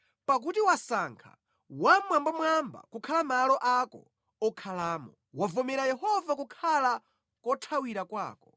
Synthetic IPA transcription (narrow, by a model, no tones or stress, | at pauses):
pak̬utiwasaŋkʰa̰ | wamwambamwamba̰kukʰalamalɔʔakɔ̰ | ɔkʰalaːmɔ̰ | wavɔmɛɾajɛhɔvakukʰala | kɔtʰawiɾakwa̰ːkɔ̥